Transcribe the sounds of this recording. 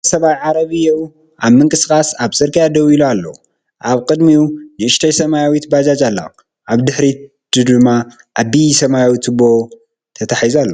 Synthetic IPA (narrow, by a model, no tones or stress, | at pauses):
sɐβajʕaɾɐβɨjɛw | ʔaβmɨŋkʼɨsɨkʼasaβsʼɨɾkʰijad̪ɐwilualːɐwu | ʔaβkʼɨd̪miunɨɨʃt̪ʰɐjsɐmajawit̪bad͡ʒat͡ʃʼalːa̰ | ʔaβd̪ɨħɾi | d̪ɨd̪ɨmːa | ʔabisɐmajawit̪ʰɨbo | t̪ʰɐt̪ʰaħizualːɐ